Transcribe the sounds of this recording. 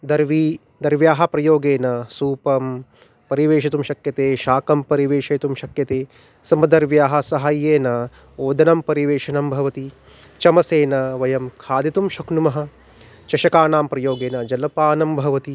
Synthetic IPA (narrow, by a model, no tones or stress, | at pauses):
d̪ɐɾʋiː | d̪ɐɾʋjaːɦɐ̆pɾɐjoːɡeːnɐsuːpɐm | pɐɾiʋeːʃɐt̪umʃɐkjɐt̪eːʃaːkɐmpɐɾiʋeːʃɐːt̪umʃɐkjɐt̪eː | sɐmɐd̪ɐɾʋjaːɦɐsɐɦaːjeːnɐ | oːd̪ʱɐnɐmpɐɾiʋeːʃɐnɐmbʱɐʋɐt̪i | t͡ʃɐmɐseːnɐʋɐjɐmkʰaːd̪it̪umʃɐknumɐɦɐ̆ | t͡ʃɐʃɐkaːnaːmpɾɐjoːɡeːnɐd͡ʒɐlɐpaːnɐmbʱɐʋɐt̪i